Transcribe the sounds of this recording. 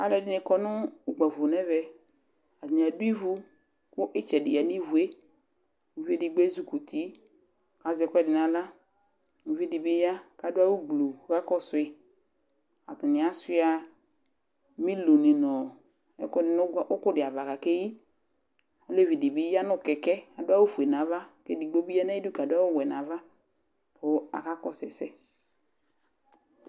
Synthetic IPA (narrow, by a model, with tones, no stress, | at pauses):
a˨lɛ˨dɪ˦nɪ˨kɔ˨nʊ˦u˨ɡ͡ba˨vʊ˨nɛ˦vɛ˦ | a˨tɪ˨n˨a˨dʊ˦i˦vu˦ | kʊ˦ʔɪ˦t͡ʃɛ˨dɪ̰˨a˨ni˦vu˨e˦ | u˨vi˦e˦dɪ˨˦ɡ͡be˦zu˦ku˨t̪i˦ | ka˨zɛ˨˦kʷɛ˦dɪ˨nã˨la˦ | mu˨vi˦dɪ˨bɪ˦ja˦ka˨dʊ˦a˦wu˦ɡ͡blo˨ɣa˦kɔ˦sʊ˨ɪ˨ | a˨t̪ɪ˨nɪ̃˨a˨˦sɪ˦a˨ | mi˦lo˨nɪ˨nɔ˨ | ɛ˦kɪ˨˦ʊ˦kʊ˦dɪ˨a˨va˨ka˨ke˦ji˦ | ɔ˦le˦vi˨dɪ˨bɪ˦ja˦nʊ˦˨kɛ˨kɛ˦a˨dʊ˦a˦wu˦fu˨e˨n˨ã˨˦va˦ke˦di˨ɡ͡bo˦bi˦a˦nɛ˦i˦du˦ka˨dʊ˦a˦wʊ˦˨wɛ˨nã˨˦va˦ | pʊ˨˦a̰˨ka˦kɔ˦sɛ̰˨sɛ˦